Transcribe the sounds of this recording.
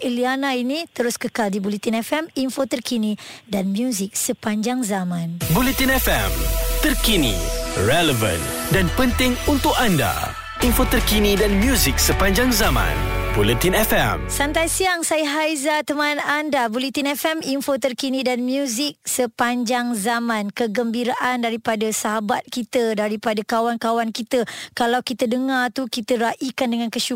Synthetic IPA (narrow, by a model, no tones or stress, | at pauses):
ʔilianainit̪əɾʊskəkaldibulit̪inɛfɛmiɱfot̪ərkinidanmjuzɪk̚səpaɲd͡ʒaŋzamãnbulɛt̪inɛfɛ̰mt̪ərkinḭrɛləvə̰̃ndanpənt̪ɪŋunt̪ʊkanda̰ | infot̪ərkinidanmjuzik̚səpaɲd͡ʒaŋzamã̰nbulit̪inɛfɛ̰msant̪ajsiaŋsajəɦajzat̪əmãnandabulit̪inɛfɛminfot̪ərkinĩdanmjuzɪk̚səpaɲd͡ʒaŋzamãnkəɡəmbiɾaʔandaɾipadasaɦabat̪̚kit̪ədaɾipadakawankawankit̪əkalawkit̪ədəŋat̪ukit̪əɾaʔikandəŋankəʃu